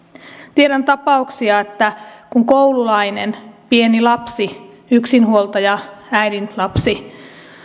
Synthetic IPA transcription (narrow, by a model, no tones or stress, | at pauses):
t̪ieɾænt̪ɑpɑuksiɑet̪ːækuŋko̞ululɑjne̞̰npie̞nilɑpsi | yksinɦuo̞lˠt̪ɑjɑæjdinlɑpsi